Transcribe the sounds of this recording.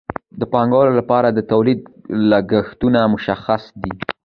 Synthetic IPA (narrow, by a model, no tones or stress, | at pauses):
d̪əpɑŋɡawəlolapɑɾad̪ət̪awlid̪̚laɡəxt̪unamʊʃaxasd̪i